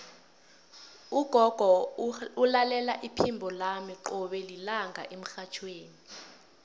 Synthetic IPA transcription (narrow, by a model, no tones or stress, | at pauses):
uɡ̥ʱɔɡ̥ʱɔulalɛlaʔipʰimbʱɔlamiǃɔɓɛlilaŋʱa̰ʔem̩xat͡ʃʰweːni